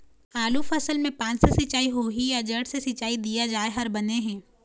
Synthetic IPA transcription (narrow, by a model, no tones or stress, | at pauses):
aːlufɐsəlmẽpãːt͡ʃsesɪt͡ʃaːiɦoːɦijad͡ʒəʈsesɪt͡ʃaːid̪ijad͡ʒaːeɦɐɾbɐneɦɛ̃ː